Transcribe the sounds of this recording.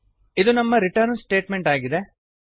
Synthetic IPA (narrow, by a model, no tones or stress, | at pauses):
id̪unɐmːɐɾiʈɐɾnsʈe̞ːʈmeɳʈaːɡid̪e